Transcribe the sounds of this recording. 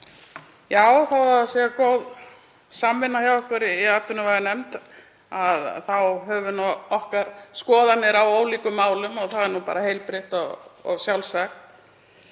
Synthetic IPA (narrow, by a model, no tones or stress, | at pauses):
jaːwθawvaɾðasjɛakowð | saːmːɪnːajawɛhkvɛɾɪiat̪ʏnavajðanɛmt̪ | aðθawɦœːvʏnɔɔhkaɾ̥skɔːðanːɪɾawoːwliːkʏmːaːwlʏmɔɣθaðɛɾnupa̰ːɾahejlpɾɪht̪ɔɣɔ̰ɣsjawlsakn